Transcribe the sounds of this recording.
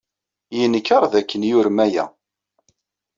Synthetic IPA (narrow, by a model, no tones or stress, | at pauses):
jənəkːəɾˤðækːənjʊɾmæjæ̰